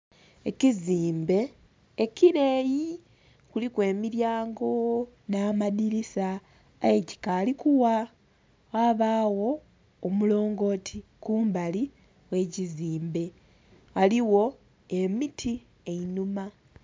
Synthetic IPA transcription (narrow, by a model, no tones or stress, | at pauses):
eciziːmbe̞ː | ciɾe̞ːji | kulikwe̞ːmiɾjaːŋɡo̞ | naːmadiɾisaː | je̞ci̥kaːlikuwa | waβaːwo̞ː | mulo̞ːŋɡo̞ːtʰikuːmbali | we̞ːciziːmbe̞ | aliwo̞ | e̞mitʰi | einuma